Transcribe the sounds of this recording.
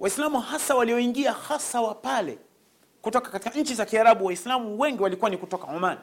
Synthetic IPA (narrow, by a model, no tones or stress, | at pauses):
wʔaislamuhasawaliɔiŋɡiahasawapalɛ̰ | kutɔkḁkati̥kaɲ̩t͡ʃizakiaɾaɓuwaislamuwɛŋɡiwalikuwanikutɔkaɔmani